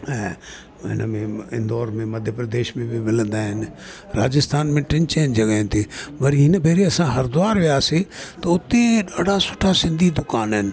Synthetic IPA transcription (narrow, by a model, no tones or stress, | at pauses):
ɛ̃ː | ɦɪ̰nəmẽɪ̰nd̪ɔːɾmẽmɐd̪ʱjəpɾɐd̪eːʃmẽbɪmɪlə̃nd̪aːɦɪnɪ̆ | ɾaːd͡ʑɪst̪ʰaːnmẽʈɪ̃ɲt͡ɕeːɪnɪ̆d͡ʑɐɠəɦɪ̃nt̪ʰebɐɾiɦɪnəbʱeːɾiɐsãɦɐɾd̪ʊaːɾʋijaːset̪ɐʊt̪eɗaːɽ̤ʱasʊʈʰasɪ̃nd̪ʱid̪ʊkaːnɦɪnɪ̆